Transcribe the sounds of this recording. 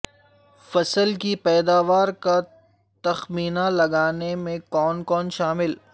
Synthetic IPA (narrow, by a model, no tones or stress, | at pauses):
fɐsəlkipɛːd̪aːʋaːɾka | t̪ɐxmiːnalɐɡaːnemẽkɔːnkɔːnʃaːmɪl